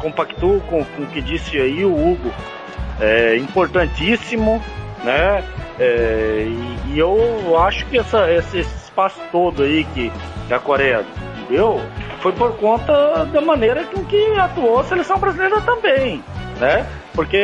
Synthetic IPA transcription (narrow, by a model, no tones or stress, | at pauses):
kõpakt̪okõkõkɪd͡ʒisɪaiʊuɡʊ | ɛĩpoɾt̪ɐ̃nt͡ʃisimʊ | nɛɛɪːewaʃʊ̥kɪɛsɐesɪesɪɪspasʊ̥t̪od̪ʊaikɪkɪakoɾɛd̪ʊ̃t̪ẽd̪ewfojpoɾkõnt̪ɐd̪ɐmɐ̃neɾɐkɪʊkɪat̪uoɐselejsɐ̃w̃bɾazileɾɐt̪ɐ̃mbẽj̃nɛ | poɾke